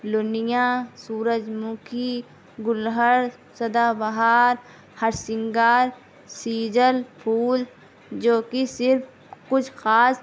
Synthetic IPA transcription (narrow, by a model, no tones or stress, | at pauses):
lʊnɪjãːsuːɾəd͡ʒmʊkʰi | ɡʊlɦəɾ | sɐd̪aːbɐɦaːɾ | hɐɾsɪ̃ŋɡaːɾ | siːd͡ʒəlpʰuːl | d͡ʒoːkisɪɾfʰ | kʊt͡ʃʰxaːs